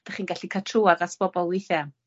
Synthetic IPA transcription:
d̥aχiːnɡaɬikʰatʰruadasb̥ɔbɔlˠwɪjθɛ

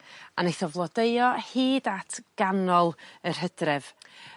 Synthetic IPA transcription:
anejθɔvlˠɔdeɨɔhiːdatʰɡ̥anɔlˠər̥ɦədrɛv̥

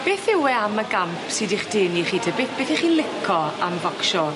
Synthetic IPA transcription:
b̥eːθɪwɛaməɡampʰsɨdiχd̥eːniχiːtʰəbɪθb̥eːθiχiːnlˠɪkʰɔamvɔkʃɔ

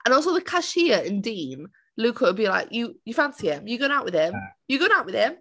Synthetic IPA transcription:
ʔə̃nɔˑlˠsoʊðəkʰaʃiəɪ̃ndĩːn | lʉːˑkʰəəbila̰ɪkjəjəfãnsiɪ̃mjəɡoʊɪ̃ŋaʊʔwɪð̥ɪ̃mjəɡoʊɪ̃ŋaʊʔwɪð̥ɪ̃m

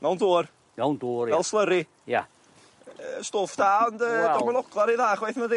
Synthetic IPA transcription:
nawndoːr | nawnduːɾvɛlˠslˠəɾi | ja̰ | əstoːfd̥aːndədɔmənɔɡlˠaɾiðaːχwejθmədi

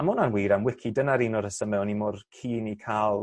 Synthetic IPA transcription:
amʊnanwiːɾamwɪkʰidənaɾiːnɔɾəsəmɛwnimɔrkʰiːnikʰalˠ

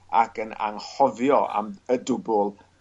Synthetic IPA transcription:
a̰kəna̰ŋhɔvjɔa̰mədʊbʊlˠ

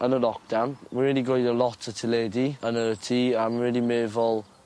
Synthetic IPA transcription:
ənəlɔk̚d̥anwɪɹiːdiɡojdəlˠɔtʰətʰɪlɛdiənəətʰiːamɪɹɛːlimeːvɔlˠ

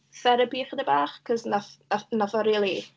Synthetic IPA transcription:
θɛɾəbiːχədɛbaːχkʰɔznaθanaθɔɾiːlˠi

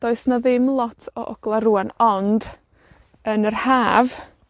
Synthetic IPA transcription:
d̥oɨsnaðɪmlˠɔtʰɔ̰ʔɔ̰ɡ̥lˠaɾuanɔnd̥ | ənərhaːv

